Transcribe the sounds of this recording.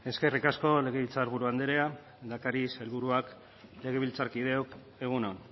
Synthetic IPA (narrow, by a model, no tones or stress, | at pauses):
e̞ske̞rikasko̞le̞ɣe̞βilt͡saɾβuɾuand̪eɾe̞a | d̪akaɾise̞lβuɾuak | le̞ɣe̞βilt͡saɾkið̞e̞ok | e̞ɣ̞unon